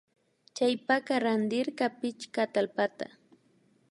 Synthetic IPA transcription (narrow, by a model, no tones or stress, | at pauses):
t͡ʃajpakaɾand̪ɪɾkapɪt͡ʃkat̪alpat̪a̰